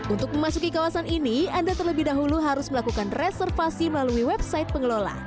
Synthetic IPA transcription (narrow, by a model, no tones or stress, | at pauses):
unt̪ʊk̚məmasukikawasaniniandat̪ərləbɪhdaɦuluɦaɾʊsməlakukanresɛrfasiməlaluiwɛb̚saɪt̪̚pəŋəlola̰h